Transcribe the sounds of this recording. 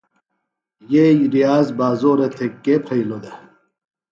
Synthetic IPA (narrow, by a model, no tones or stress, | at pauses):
jejɾijaːzbaːzoːɾet̪ʰekːepʰɐjlod̪ɐ